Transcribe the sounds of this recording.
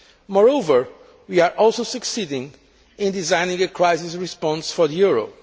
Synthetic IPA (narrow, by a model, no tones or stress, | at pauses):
mɔɹoʊvə˞ | wiaɹʔɔlˠsoʊsɨksidɪ̃ŋ | ɪ̃nd̪izãj̃nɪ̃ŋɨkʰɹajzisɹispɔ̃nsfɔɹðəjuɹo̰